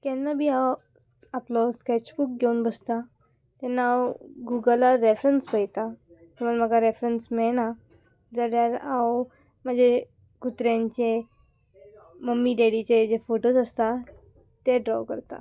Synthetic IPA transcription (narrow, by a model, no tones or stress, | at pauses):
t̪ɛnːabʱiːaw | aplɔskɛt͡ɕbuk̚ɡʱeunbəst̪a | t̪ɛnːaːwɡuɡəlaɾefɾənspəjt̪a | səməlm̤aɡaɾefɾənsmɛɭna | d͡zaljaɾaw | m̤əd͡ʑʱe | ɡut̪ɾjaɲt͡ɕe | məmːiɖeɽit͡ɕed͡ʑefoʈosəst̪a | t̪eɖɾɔ̰wkə̰ɾt̪a̰